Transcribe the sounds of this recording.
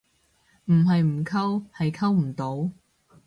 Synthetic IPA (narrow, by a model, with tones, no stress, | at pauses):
m̩˨˩ɦɐ˨jm̩˨˩kʰɐ˥whɐ˨jkʰɐ˥wm̩˨˩t̪o˨˥w